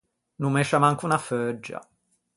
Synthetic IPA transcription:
numɛʃːamaŋkunafød͡ʒːa̰

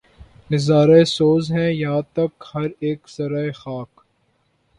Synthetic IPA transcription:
nɪzaːɾaesoːzɦɛ̃jɐɦãt̪ɐkhɐɾeːkz̥ɐɾaːexaːk

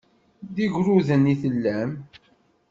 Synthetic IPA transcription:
d̪iʝɾuðəniθəlːæm

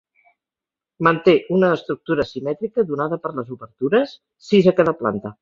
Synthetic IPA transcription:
mənt̪eʔunəːst̪ɾuk̚t̪uɾəsimɛt̪ɾikəðunaðəpəɾləzuβəɾt̪uɾəsː | izəkaðəpla̰nt̪ə

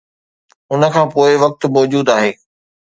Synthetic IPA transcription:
ʊnə̆kʰãːpoːɪʋɐk̚t̪mɔːd͡ʑuːd̪aːɦeː

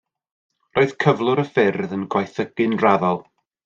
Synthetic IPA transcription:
rʔoːɨð̥kʰəvlˠʊɾəfɪrðənɡwajθəɡ̥ɨnraðɔlˠ

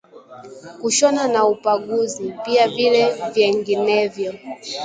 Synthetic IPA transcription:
kuʃɔnanaupaɠuzipiavilɛvjɛŋɡinɛvjɔ

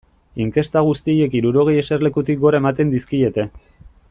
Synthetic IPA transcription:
iŋke̞st̪aɣ̞ust̪ije̞kiɾuɾo̞ɣ̞e̞je̞serle̞kut̪ik̚ɡo̞ɾae̞mat̪e̞nd̪iskie̞t̪e̞

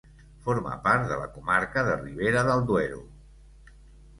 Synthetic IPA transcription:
foɾmə̰paɾt̪ðə̰lə̰kumaɾkəðəriβ̞eɾəðəlˠd̪wɛɾṵ

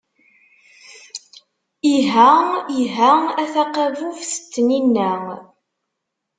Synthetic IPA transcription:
iɦæiɦææθaqævuvθə̥t͡s̪ːəninːæ

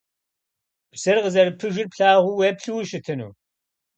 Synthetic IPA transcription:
psɐrʁəzɐɾɨpʰɨʒɪrpɬaːʁʷʊweːpɬɨwʃɪtʰɨnṵː

